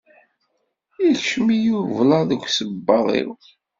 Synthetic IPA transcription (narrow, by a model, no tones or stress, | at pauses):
iɬʃmijuvlɑðəkʷːsəbːɑðˤḭw